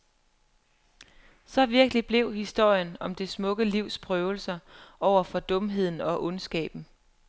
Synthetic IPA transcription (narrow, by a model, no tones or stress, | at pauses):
sɒ̽ʋiɐɡ̥əlib̥le̝ʊ̰hisd̥o̝ɐ̰jənɒ̽md̥e̝smɔ̽ɡ̥əliʊspʰʁœːʊl̩sɐɒʊ̰ɐfɒ̽d̥ɔ̽mɦe̝ð̞̰ˠn̩ɒ̽ʔɔ̽nsɡ̥ɛ̰ːb̥n̩